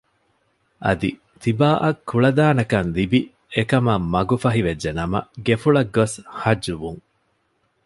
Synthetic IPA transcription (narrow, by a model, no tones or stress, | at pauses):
ʔɐ̰d̪ḭ | t̪ibaːʔɐkʰːuɭɐd̪aːnɐkɐnlibi | ekɐmɐmːɐɡufɐɦiʋed͡ʒːenɐmɐ̰ɡefuɭɐɡːoshɐd͡ʒːuʋuŋ